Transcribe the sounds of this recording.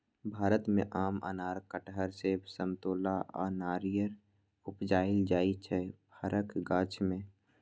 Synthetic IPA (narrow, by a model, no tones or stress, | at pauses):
bʱaːɾət̪mẽʔaːmə̰naːɾkəʈɦəɾsebsəmt̪oːlaa̰naːɾijəɾ | ʊpd͡ʒaːɪld͡ʒaːit͡ʃʰɛbʰəɾʔəkɡãːt͡ʃʰmẽ